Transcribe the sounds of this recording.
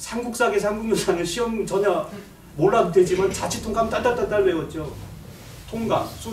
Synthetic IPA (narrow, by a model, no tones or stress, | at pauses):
sʰaŋɡuk̚s͈aɡesʰaŋɡuŋunsaŋɯɕʰiʌmt͡ɕʌɲa | moɭːaɡdwed͡ʑimant͡ɕat͡ɕʰitʰoŋɡamt͈atat͈at͈aɭweɡʌt̚t͡ɕ͈o | tʰoŋɡa̰nsʰu